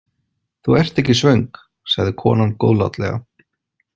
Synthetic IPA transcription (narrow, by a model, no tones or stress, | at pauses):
θuɛr̥t̪ɛhcːɪsvœɥŋk | saɣðɪkʰɔ̰ːnanko̰ːwðla̰t̪lɛ̰ɣa̰